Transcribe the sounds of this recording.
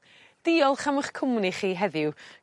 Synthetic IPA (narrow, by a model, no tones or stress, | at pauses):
d̥iːɔlˠχaməχkʰʊmniχiːɦɛðɪw